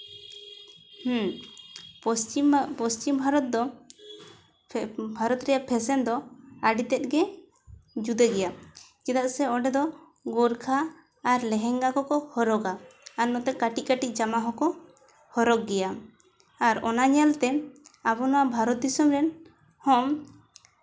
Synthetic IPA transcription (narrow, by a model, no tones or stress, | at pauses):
h̩ | ɔst͡ʃipɔst͡ʃimbʱaɾɔt̪̚d̪ɔ | bʱaɾɔt̪ɾɛjaʔpʰɛsɛnd̪ɔaɖit̪ɛt̪̚ɡɛ | d͡ʒud̪ɛɡɛjakɛd̪aʔsɛɔɖɛd̪ɔ | ɡɔɾkʰaː | ɾlɛɦɛŋɡakɔkɔhɔɾɔɡaːnːɔt̪ɛkaʈikaʈid͡ʒamaɦɔkɔ | hɔɾɔɡɡɛja | aɾɔnaɲɛlt̪ɛabɔnɔwabʱaɾɔt̪̚d̪isɔmɾɛn | hɔm